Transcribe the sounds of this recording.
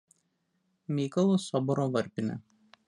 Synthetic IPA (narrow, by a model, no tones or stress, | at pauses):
mʲiːkɐlˠosɔbɔɾoʋɐɾʲpʲɪnʲɛ̰